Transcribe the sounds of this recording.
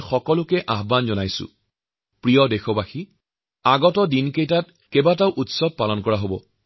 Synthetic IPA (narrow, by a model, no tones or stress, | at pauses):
xɔkɔlʊkɛʔaɦbanzɔnajsʊ̰ | pɹijɔdexɔbaxi | aɡɔtɔdinkejtat̚ | kɛbataʊʔutsɔb̚palɔnkɔɹaɦobɔ̰